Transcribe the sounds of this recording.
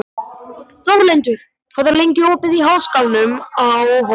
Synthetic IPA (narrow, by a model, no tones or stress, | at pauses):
θɔwlejnt̪ʏɾ̥ | fʰɔðaɾlejɲcɪɔːpɪðiɦaːwskawnʏmawɦ